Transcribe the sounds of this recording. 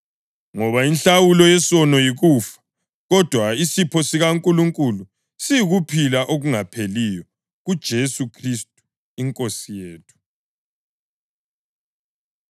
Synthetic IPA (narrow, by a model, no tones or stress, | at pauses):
ŋɔβainɬawulɔjɛsɔnɔjiɣuːfḁ | ɣɔd̥ʱwaisipʰɔsiɣaŋkʼuluŋkʼulu | sijiɣupʰilaʔoɣuŋapʰelijɔ | ɣud̥ʒ̥ʱesukʰristʼu̥ | iŋkʼosijeːtʰu̥